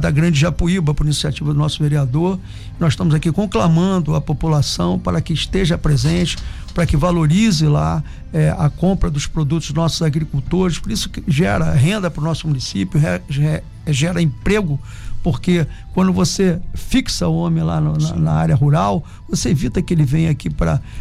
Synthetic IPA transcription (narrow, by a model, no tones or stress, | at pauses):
d̪ɐɡɾɐ̃d͡ʒɪʒapuibɐpʊɾinisiat͡ʃivɐd̪ʊnɔsʊveɾiad̪oɾ | nɔz̥ʃt̪ɐ̃mʊzakikõklamɐ̃d̪ʊɐpopulasɐ̃w̃paɾɐkɪʃt̪eʒɐpɾezẽnt͡ʃɪ̥ | paɾɐkɪvaloɾizɪla̰ | ɛɐ̰kõmpɾɐd̪ʊʃpɾod̪ut̪ʊznɔsʊzaɡɾikuwt̪oɾɪspoɾisʊ̥kɪʒɛɾɐɦẽnd̪ɐpɾʊnɔsʊmunisipjʊɛɛ | ʒɛɾɐẽpɾeɡʊ | poɾke | kwɐ̃nd̪ʊvosefiksɐʊõmẽla̰nʊnɐnɐa̰ɾjɐɦuɾaw | voseevit̪ɐkɪelɪvẽj̃akipɾɐ̰